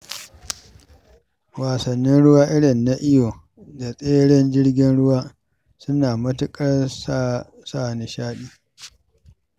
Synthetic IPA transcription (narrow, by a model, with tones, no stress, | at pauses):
waː˨sɐ˨nːɪ˦nɽʊ˦waː˦ʔɪ˦ɽɪ˨nːa˦ʔɪ˦joː˨ | da˨sʼeː˦ɽɛ˦nd͡ʒɪ˦ɽɡʲɪ˦nɽʊ˦waː˦ | sʊ˦naː˨mɐ˦tʊ˦kʼɐ˦r | saː˦˨nɪ˨ʃaː˦ɗiː˦